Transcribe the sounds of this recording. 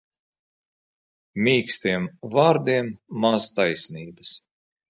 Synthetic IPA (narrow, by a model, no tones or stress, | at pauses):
mʲiːkst̪iɛmvaːɾd̪iɛmːazt̪ajsniːbɐs